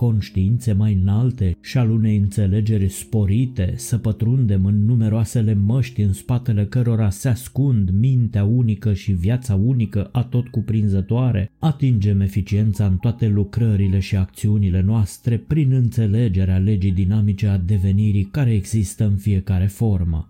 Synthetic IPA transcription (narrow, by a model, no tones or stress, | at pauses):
ko̞nʃt̪iint̪se̞majɨnalt̪e̞ʃialune̞jɨnt̪se̞le̞d͡ʒe̞rʲspo̞ɾit̪e̞səpət̪ɾund̪e̞mɨnːume̞ɾoase̞le̞məʃt̪ʲɨnspat̪e̞le̞kəɾo̞ɾaseaskund̪mint̪eaunikəʃivjat̪saunikəʔat̪o̞t̪kupɾinzət̪oaɾe̞̰at̪ind͡ʒe̞me̞fit͡ʃie̞nt̪saɨnt̪oat̪e̞lukɾəɾile̞ʃiak̚t̪siunile̞noast̪ɾe̞pɾinɨnt̪se̞le̞d͡ʒe̞ɾeale̞d͡ʒid̪inamit͡ʃe̞ad̪e̞ve̞niɾikaɾe̞ːɡzist̪əɨnfie̞kaɾe̞fo̞rmə̰